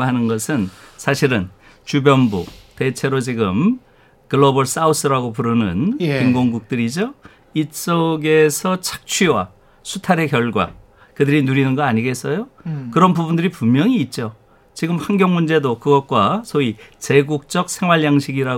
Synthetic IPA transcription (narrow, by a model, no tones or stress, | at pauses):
ɦanɯnɡʌsʰɯnsʰaɕʰiɾɯn | t͡ɕubjʌnbṵte̞t͡ɕʰe̞ɾot͡ɕiɡɯm | kɯɭobʌɭs͈aus͈ɯɾaɡopuɾɯnɯ̰nkiŋɡoŋɡuk̚t͈ɯɾid͡ʑo | is͈oɡe̞sʰʌt͡ɕʰḁk̚t͡ɕʰɥiwa̰ | sʰutʰaɾe̞kjʌɭɡwa̰ | kɯdɯɾinuɾinɯnɡʌaɲiɡe̞s͈ʌjokɯɾʌnpubundɯɾipummːjʌŋiːt̚t͡ɕ͈o | t͡ɕiɡɯmhaŋɡjʌŋmund͡ʑe̞dokɯɡʌt̚k͈wasʰoit͡ɕe̞ɡuk̚t͡ɕ͈ʌk̚sʰe̞ŋwaɭjaŋɕʰiɡiɾa